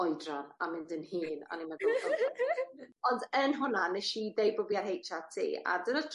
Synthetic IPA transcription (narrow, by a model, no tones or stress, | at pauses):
ɔjdrana̰mɪndənhiːna̰nimaɡʊɔa | ɔndənɦʊnanɛʃidejbʊbiarɦejtʰatʰḭːa̰dənatʰ